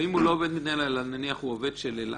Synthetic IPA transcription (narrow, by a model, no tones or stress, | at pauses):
imulooved̪mit̪najlalananiaχuoved̪ʃelela̰